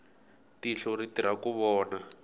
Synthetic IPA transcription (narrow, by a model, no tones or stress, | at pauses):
tiɬɔritiɾakuβɔːna